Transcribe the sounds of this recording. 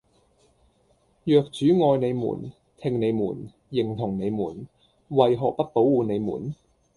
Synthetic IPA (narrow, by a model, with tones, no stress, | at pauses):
jœː˨˧k̚t͡ʃyː˨˥ŋɔː˧jne˨˧jmṵː˨˩n | t̪ʰɪ˧ŋne˨˧jmṵː˨˩n | jɪ˨˩ŋt̪ʰʊ˨˩ŋne˨˧jmuː˨˩n | wɐ˨jɦɔː˨k̚pɐ˥t̚po˨˥wwuː˨˧ne˨˧jmṵː˨˩n